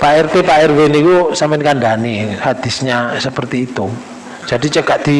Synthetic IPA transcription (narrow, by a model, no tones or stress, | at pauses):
paɛrt̪epaɛrwenikusampɪnkaɳɖanihad̪̥i̤sɲasəpərt̪iːt̪u̥ | d͡ʒ̥adit͡ʃəkat̪̚d̪̥i